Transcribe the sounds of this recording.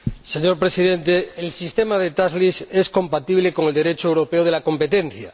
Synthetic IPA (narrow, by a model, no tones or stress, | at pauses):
seɲo̞ɾpɾe̞sið̞e̞nt̪eːlsist̪emað̞et̪azlisesko̞mpat̪iβ̞leko̞ŋeld̪eɾe̞t͡ʃoewɾo̞peoð̞e̞lako̞mpe̞t̪ẽ̞n̟θja̰